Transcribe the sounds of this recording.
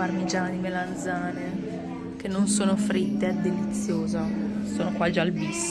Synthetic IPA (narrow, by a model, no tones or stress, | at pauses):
armed͡ʒaːnimeland̪zaːne | k̟enːonsoːnofɾit̪ːead̪ːelit̪sːjoːzasoːnokwad͡ʒalbis